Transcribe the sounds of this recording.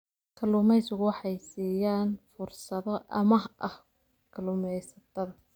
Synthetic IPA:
kʰɐlʊmɛjsʊɣʊwɑħɑjsiːjaːnfʊrsɐðɔʔɐmɐhʔɐh | kʰɐlʊmɛjsɐt̪ʰɐðɐ

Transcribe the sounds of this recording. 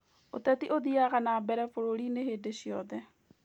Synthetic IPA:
o̰t̪ɛt̪iʔoðiaɣanaːbɛɾɛfoɾoɾineɦeːdeɕiɔðɛ

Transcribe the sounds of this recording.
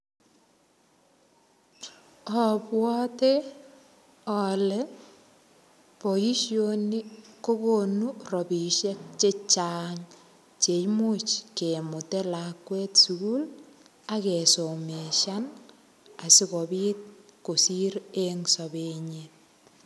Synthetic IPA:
ɔpwɔte | ɔlɛ | pojiʃjonikokonurobiʃek̚t͡ʃet͡ʃaŋ | t͡ʃejmut͡ʃkemutelakwetsuɡul | akesomeʃan | asikobit̚kosiɾeŋsobeɲet̚

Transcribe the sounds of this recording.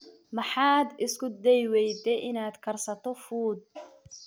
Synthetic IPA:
mɑħɑːd̪ɪskʰʊd̪ɛjwɛjd̪ɛʔɪnaːd̪kʰɐrsɐt̪ʰɔfuːd̪̚

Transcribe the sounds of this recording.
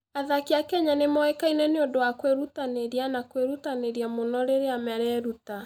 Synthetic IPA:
aðakeakɛɲanemɔɛkainɛneondowakweɾutaneɾianakweɾutaneɾiamonɔɾeɾeamɛɾɛɾuta

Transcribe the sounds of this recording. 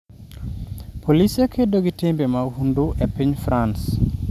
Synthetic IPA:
pʰolisekʰedoɡitembemahunduʔepiɲfɾans

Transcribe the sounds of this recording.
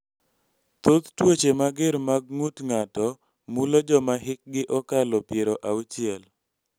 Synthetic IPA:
t̪ot̪twot͡ʃemaɡɪɾmaɡ̚ŋutŋatɔ | mulod͡ʒɔmaɦɪk̚ɡɪʔɔkalɔpjeɾoʔaut͡ʃɪɛl

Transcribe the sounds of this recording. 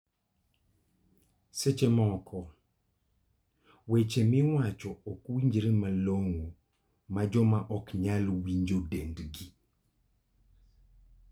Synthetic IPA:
set͡ʃemɔkʰɔ | wet͡ʃemɪwat͡ʃɔɔkwiɲd͡ʒɾemaloŋo | mad͡ʒɔmaʔɔkɲalwiɲd͡ʒodendɡi

